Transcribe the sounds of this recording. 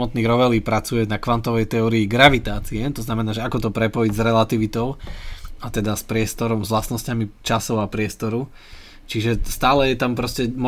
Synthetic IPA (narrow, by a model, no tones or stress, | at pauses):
mɔt̪niːɣɾɔʋɛliːpɾat͡sujɛnakʋant̪ɔʋɛjt̪ɛɔːɾiːɡɾaʋit̪aːt͡siɛt̪ɔznamɛnaːʒɛakɔt̪ɔpɾɛpɔjiɟzɾɛlat̪iʋit̪ɔʊat̪ɛd̪aspɾɪɛst̪ɔɾɔmzʋlasnɔscamit͡ʃasɔʊapɾɪɛst̪ɔɾu | t͡ʃiʒɛst̪aːlɛjɛt̪ampɾɔscɛmɔ